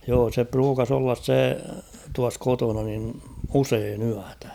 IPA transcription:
joː se pruːkɑs olːɑs se tuɑs kotonɑ nin useːn yætæ̥

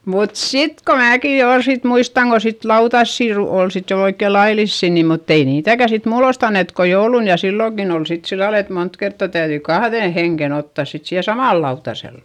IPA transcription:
mut sit ko mæːki jo ol sit muistɑŋ ko sit lɑutɑsːi ru ol sit jo oikːe lɑilisːiˑ ni mutː ei niːtækæ sit muːlost ɑnːet ko joulun jɑ silːoŋkin ol sit silːɑl et mont kertːɑ tæyðyi kɑhðeˑn heŋken otːɑˑs sit siːhe sɑmɑˑl lɑutɑsel

